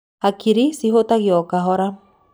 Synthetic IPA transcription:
akiɾisiɦot̪aɣjɔkaɦɔɾa

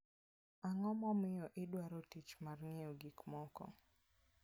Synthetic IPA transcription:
aŋɔmɔmɪɔʔɪdwaɾɔtit͡ʃmarŋɪɔɡikmɔkɔ̰

